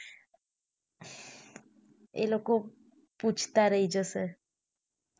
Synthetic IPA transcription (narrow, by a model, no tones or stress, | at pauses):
ḛloko | pud͡ʒʰʱt̪aɾəɦid͡ʒəse